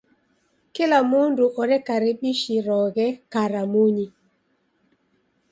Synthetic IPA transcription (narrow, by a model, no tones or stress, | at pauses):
kɪlamʊndʊʔɔɾɛkaɾɪɓiʃiɾɔɡɛkaɾamuɲi